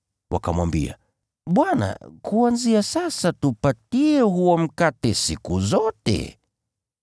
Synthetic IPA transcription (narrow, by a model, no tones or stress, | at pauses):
wʔa̰kamwambḭa̰ | ɓwana̰kuanziasasatupatiɛhuɔm̩katɛsikuzɔtɛ̰